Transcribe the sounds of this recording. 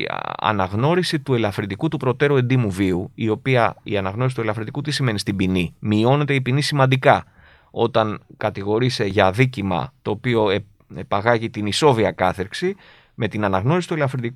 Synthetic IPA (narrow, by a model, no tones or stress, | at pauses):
ɐ̰nɐɣno̞ɾisit̪ue̞lɐfɾind̪ikut̪upɾo̞t̪e̞ɾue̞nd̪imuviuio̞piɐḭɐnɐɣno̞is̬it̪ue̞lɐfɾind̪ikut̪isime̞nist̪ibinimio̞ne̞t̪e̞ipinisimɐnd̪ikɐ | o̞t̪ɐnkɐt̪iɣo̞ɾise̞ʝɐðicimɐ̰t̪o̞ːpio̞e | epɐɣɐʝit̪iniso̞viɐkɐθeɾksi | me̞t̪inɐnɐɣno̞ɾisit̪ue̞lɐfɾind̪iku